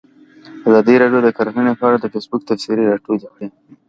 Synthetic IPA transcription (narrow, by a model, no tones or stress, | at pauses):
azɑd̪iɾɑɖjod̪əkəɾxənepəaɽad̪əfesbʊk̚t̪afsiɾiɾɑʈolekɽi